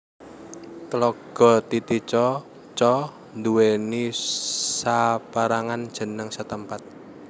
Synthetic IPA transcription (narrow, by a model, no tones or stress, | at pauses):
klɔɡ̥ɔ̤t̪it̪it͡ʃɔ | t͡ʃɔ | nd̪uweni | sapaɾaŋand̥ʒ̥ə̤nəŋsət̪əmpat̪̚